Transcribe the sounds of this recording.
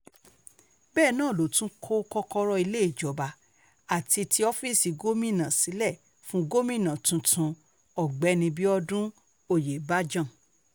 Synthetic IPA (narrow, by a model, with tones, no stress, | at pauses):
bɛː˦˨nãː˦˨lo˨tũ˦kʰo˦kɔ˧kɔ˧ɾɔ˧i˧le˦i˦˨d͡ʒɔ˨˦ba˧ | a˨ti˧tʰi˧˦ɔ˦fi˦˨si˨˧ɡo˦mĩ˦˨nã˨si˨˦lɛ˦˨ | fũ˦ɡo˦mĩ˦˨nã˨tũ˨˧tʰũ˧ | ɔ˨ɡ͡bɛ˨˦nĩ˧bi˦ɔ˧dũ˦ | o˦˨je˨ba˦d͡ʒã˦˨